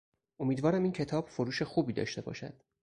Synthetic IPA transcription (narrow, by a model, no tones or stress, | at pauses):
ʔo̞miːd̪vɒːɾæmiːncʰe̞t̪ʰɒːb̥foɾuːʃe̞xuːbiːd̪ɒ̰ːʃt̪e̞bɒ̰ːʃæ̰d̪̥